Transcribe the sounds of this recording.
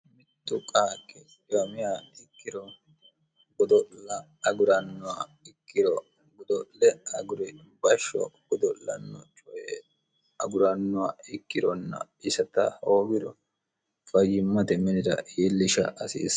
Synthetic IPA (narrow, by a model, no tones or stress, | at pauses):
mɪt̪ːʊkʼaːkʼːɛt͡ʃɪwɐmɪjaːɪkːɪɾɔ | ɡɔd̪ɔlɐ | ɐɡʊɾɐnːʊwaɪkːɪɾɔ | ɡɔd̪ɔlɛɐɡʊɾɛ | bɐʃɔ̰ɡ̥ɔd̪ɔʔɐ̰nːɔt͡ʃʼɔjɛ | ɐɡʊɾɐnːʊwaːɪkːɪɾɔnːɐ̰ | ɪsɐt̪ɐ̰hoːɡɪd̪ɔ | fɐjɪmːɐt̪ɛmɛnɪd̪ɐ̰ʔiːlːɪʃɐ̰ʔɐsḭːs